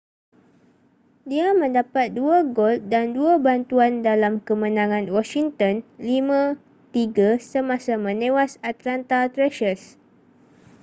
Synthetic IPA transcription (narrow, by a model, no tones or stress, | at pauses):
diamə̃ndapat̪̚duaɡolt̪̚danduabant̪uandalamkəmə̃nãŋãnwɔʃiŋt̪ənlimã | t̪iɡasəmãsamə̃nẽwasat̪lant̪at̪ɾɛʃəs